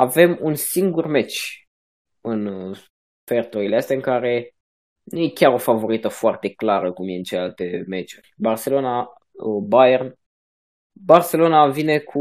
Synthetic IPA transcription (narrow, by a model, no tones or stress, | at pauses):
ave̞munsiŋɡurme̞t͡ʃʲ | ɨn | fert̪oileast̪eaɨŋkaɾe̞ | nuje̞kʲaɾo̞favo̞ɾit̪əfoart̪e̞klaɾəkumjeɨnt͡ʃelealt̪e̞me̞t͡ʃurʲbarse̞lo̞na | bajern | barse̞lo̞navine̞kʰu